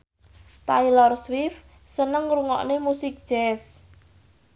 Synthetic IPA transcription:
t̪ailɔrswɪf | sənəŋruŋɔ̰ʔnemusɪk̚d̥ʒ̥ɛs

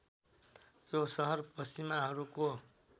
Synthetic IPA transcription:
josʌɦʌrpʌst͡ʃimaɦʌɾuko

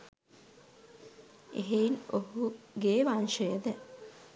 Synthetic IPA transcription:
ḛɦeinohuɡeːʋaːnʃəjəd̪ɛ

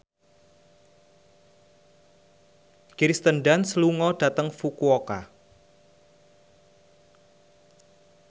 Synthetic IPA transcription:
kiɾist̪ənɖansəluŋɔɖ̥a̤t̪əŋfukuoka̰

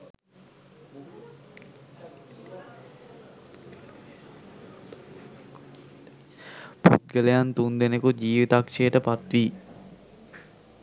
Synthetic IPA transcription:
pṵt̪̚ɡəlejant̪und̪enekud͡ʒiːʋit̪akʂeːʈəpat̪ʋiː

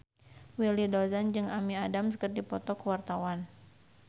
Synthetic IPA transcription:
wilidɔzand͡ʒɨŋamiadamsəkərd̪ipɔt̪ɔkəwart̪awan

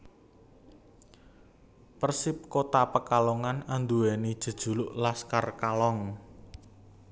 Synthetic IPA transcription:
pərsɪp̚kot̪apəkalɔŋanand̪uwɛnid̥ʒ̥ə̤d̥ʒ̥ṳlʊʔlaskarkalɔŋ

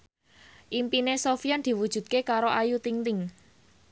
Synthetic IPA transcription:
ʔimpinesofiand̪̥i̤wud̥ʒ̥ṳt̪̚kekaɾoʔajut̪iŋt̪ɪŋ

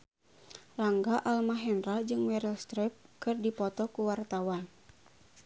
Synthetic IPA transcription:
laŋɡaʔalmaɦɛnɾad͡ʒɨŋwɛɾɛlst̪ɾɛp̚kɨrdipɔt̪ɔkuwart̪awan

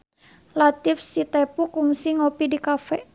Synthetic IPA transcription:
lat̪ifsit̪ɛpukuŋsiŋɔpidikafɛ

